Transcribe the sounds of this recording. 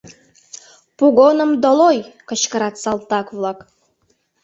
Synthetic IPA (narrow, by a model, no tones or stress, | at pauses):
puɣonə̆md̪olojkə̆t͡ɕkəɾɑt̪sɑlˠt̪ɑkβlˠɑk